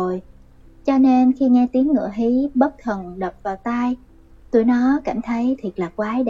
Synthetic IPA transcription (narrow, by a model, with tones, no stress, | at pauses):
o˨˩j | t͡ɕɔ˧ne˧nxi˧ŋɛ˧t̪i˨˦əŋːɨ̰˧˩əɦi˨˦ɓə˦˥k̚t̪ʰə˨˩nɗə˨˩p̚vaː˨˩wt̪aː˧j | t̪u˧˩jnɔ˨˦ka˧˩jŋ̟t̪ʰə˨˦jt̪ʰi˨˩ət̚laː˨˩kwaː˨˦ɗ